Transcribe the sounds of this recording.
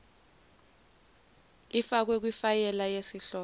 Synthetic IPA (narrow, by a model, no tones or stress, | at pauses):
ifak̬wek̬wifajɛlajesiɬɔː